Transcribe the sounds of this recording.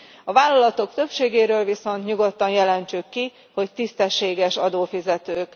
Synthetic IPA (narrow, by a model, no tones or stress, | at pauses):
ɒvaːlːɒlɒt̪o̞kt̪ø̞pʃeːɡeːɾøːlviso̞nt̪ɲuɡo̞t̪ːɒnjɛlɛnt͡ʃykːi | ho̞ct̪ist̪ɛʃːeːɡɛʃɒd̪oːfizɛt̪øːk